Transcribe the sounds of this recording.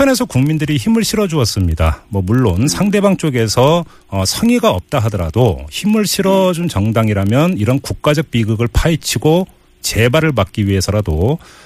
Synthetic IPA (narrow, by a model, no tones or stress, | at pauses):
pʰjʌne̞sʰʌkuŋmindɯɾiçimɯɭɕʰiɾʌd͡ʑuʌs͈ɯmɲidamwʌmuɭːonsʰaŋde̞baŋt͡ɕ͈oɡe̞sʰʌː | sʰʌŋiɡaʌp̚t͈aɦadʌɾa̰doçimɯɭɕʰiɾʌd͡ʑunt͡ɕʌŋdaŋiɾamjʌniɾʌnkuk̚k͈ad͡ʑʌk̚p͈iɡɯɡɯɭpʰait͡ɕʰiɡo | t͡ɕe̞baɾɯɭmak̚k͈iɥiɦe̞sʰʌɾado